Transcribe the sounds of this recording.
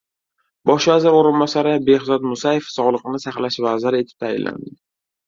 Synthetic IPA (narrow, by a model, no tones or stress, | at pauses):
bɒʃvazɪɾoɾɪnbɒsaɾɪbe̞hzɒt̪mʊsaje̞fsɒʁlˠɨqnɪsaχlaʃvazɪɾe̞t̪ʰɪ̥p̚t̪ʰajɪ̰lːa̰nd̪ɪ